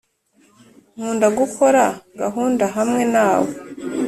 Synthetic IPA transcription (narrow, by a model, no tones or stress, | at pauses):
ŋ̥uːndaɡukʰo̞ɾaɡaɦuːndaɦamŋe̞naːwo